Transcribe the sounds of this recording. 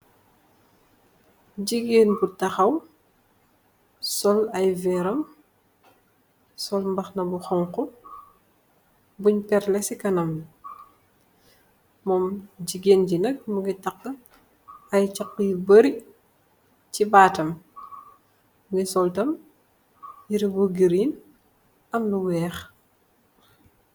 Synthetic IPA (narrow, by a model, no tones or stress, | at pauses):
ɟiɡeːnbutɐxɐw | sɔlɐjvɛɾɐm | sɔlmbɐxnɐbuxɔŋkɔ | buɲpɛɾlɛsikɐnɐm | mɔːmɟiɡeːnɟinɐk̚muɡitɐqːə | ɐjt͡ʃɐkːəbɐɾi | cibaːtɐm | mɡisɔltɐm | jiɾibuɡiɾin | ɐmluwɛːx